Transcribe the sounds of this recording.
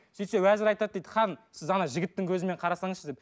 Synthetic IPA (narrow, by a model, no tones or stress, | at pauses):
set̪sewæzɪɾɑjt̪ɑd̪̚d̪ed̪əχɑnsɪzɑnɑʒɪɡʲɪt̪ːɪŋkʲʰɵzɪme̞ɴqʰɑɾɑsɑɴəʃəzd̪ep